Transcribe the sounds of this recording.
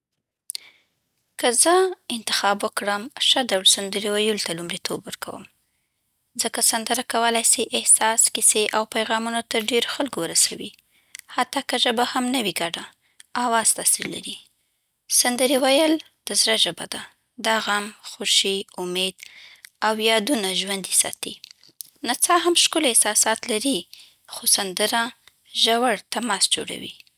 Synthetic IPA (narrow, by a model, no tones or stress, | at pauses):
kəzəɪnt̪ɪ̥xɑbwəkɽəmʃəd̪awlsand̪əɾewajəlt̪alumɾit̪ʰobwəɾkʰa̰wə̰m | zəkasand̪əɾakawəlajsejʔɪhsɑskɪseʔawpajɣɑmunot̪əɾɖeɾoxalkowəɾasawi | hat̪ːɑkəʒəbahamnawiɡaɖaː | wɑz̥t̪ɑsiɾla̰ɾi | sand̪əɾewajəl | d̪̥əzɾaʒəbad̪a | d̪aɣamxoʃiʊmed̪awjɑd̪unaʒwand̪isɑ̰t̪ḭ | nat͡sɑɦamʃkʊlehsɑsɑt̪laɾi | xosand̪əɾa | ʒawaɽt̪amɑsd͡ʒo̰ɽa̰wḭ